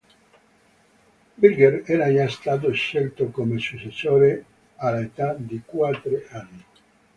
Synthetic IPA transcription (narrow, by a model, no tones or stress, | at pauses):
bilɡeɾɛɾainast̪aːt̪̬oʃːelt̪okomesusesoːɾe | alaet̪ad̪ikwat̪ːɾeanːi